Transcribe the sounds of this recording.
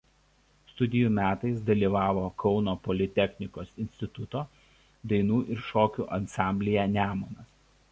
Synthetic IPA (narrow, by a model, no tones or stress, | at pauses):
st̪ʊd̪ʲɪjuːmʲæːt̪ɐɪsd̪ɐlʲiːʋɑːʋoːkʰɒʊnoːpɔlʲɪt̪ʲɛxʲnʲɪkoːsɪnʲsʲt̪ʲɪt̪ʊt̪oː | d̪ɐɪnuːʔɪɾʃoːkʲuːʔɐnsɑˑmʲbʲlʲɪjænʲæːmonɐs